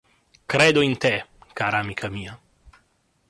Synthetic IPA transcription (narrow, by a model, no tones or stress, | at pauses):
kɾed̪oint̪ekaɾaːmikʰamiːa